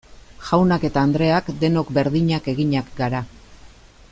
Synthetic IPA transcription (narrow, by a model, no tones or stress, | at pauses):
ʝawnake̞t̪aːnd̪ɾe̞akd̪e̞no̞kbe̞ɾðiɲake̞ɣiɲakɡaɾa